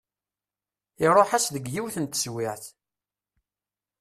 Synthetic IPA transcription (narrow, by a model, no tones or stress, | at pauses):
ɪɾˤoħæsðəɡjiwθənt̪ə̥swɪʕθ